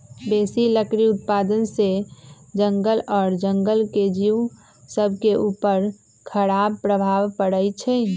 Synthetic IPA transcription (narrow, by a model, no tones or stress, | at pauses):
beːsiləkɾiʊt̪̚paːd̪ənsed͡ʒə̃ŋɡəlɔːɾd͡ʒə̃ŋɡəlked͡ʒiːw | səb̚ʱkeʔuːpəɾ | kʰəɾaːb̚pɾəbʱaːʋpəɽəit͡ʃʰɛ